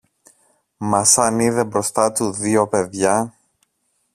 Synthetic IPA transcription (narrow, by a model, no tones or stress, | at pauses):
mɐsɐniðe̞bɾo̞st̪ɐt̪uðiope̞ðʝɐ